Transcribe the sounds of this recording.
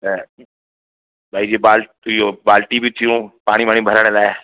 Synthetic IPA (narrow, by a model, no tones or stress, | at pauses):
bʱaːid͡ʒibaːl | jobaːlʈibʱit̪ʰiũpaːɽ̃ibaːñĩbʱəɾaːnelaːeː